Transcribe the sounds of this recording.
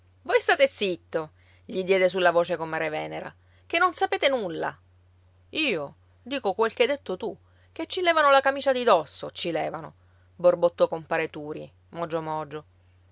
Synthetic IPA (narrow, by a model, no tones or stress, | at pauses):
vojst̪aːt̪et̪sit̪ːo | ʎid̪jɛːd̪es̬ulːavoːt͡ʃekomːaɾevɛːneɾa̰ | kenːonsapeːt̪enulːa̰ | iːo | d̪iːkokwelkeajd̪et̪ːot̪u | k̟et͡ʃːilɛːvanolakamiːt͡ʃad̪id̪ɔsːot͡ʃːilɛːvano | borbot̪ːɔkompaːɾet̪uːɾi | mɔd͡ʒːomɔd͡ʒo